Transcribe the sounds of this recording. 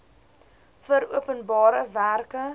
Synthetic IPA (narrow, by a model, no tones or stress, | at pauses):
fəɾuəpənbɑːɾəværkə